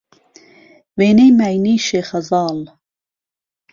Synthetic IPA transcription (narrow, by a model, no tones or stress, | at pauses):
weːnejmæjniːʃeːxɐzɑːl